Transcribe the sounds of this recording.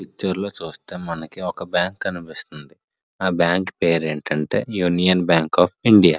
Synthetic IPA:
it͡ʃːɐɾlo̞ːt͡ʃuːst̪e̞ːmɐnɐkiɔkɐbjaːŋkɐnipist̪und̪i | aːbjaːŋkpe̞ːɾe̞ːɳʈɐɳʈe̞̰ːjuːnijɐnbjaːŋkaːpʰiɳɖijaː

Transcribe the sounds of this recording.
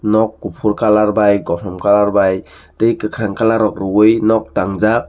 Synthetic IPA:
nɔk̚ːupʰuɾkalaɾbajɡɔsɔmkalaɾbaj | tɯjkɯkʰɾaŋkalaɾɔk̚ɾɯwɯjnɔk̚taŋzak̚

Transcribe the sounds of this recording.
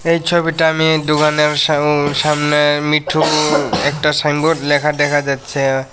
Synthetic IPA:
ejt͡ɕʰobiʈaamid̪uɡaneɾʃamnemiʈʰuɛk̚ʈasaŋboʈlɛkʰad̪ɛkʰad͡ʑatːɕʰi

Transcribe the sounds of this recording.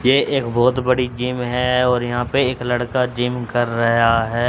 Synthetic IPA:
jeːʔeːkbɔːt̪bɐɽid͡ʒɪmɦɛɔːɾjɐɦãːpeeːklɐɽkad͡ʒɪmkɐɾːɐɦaɦɛː

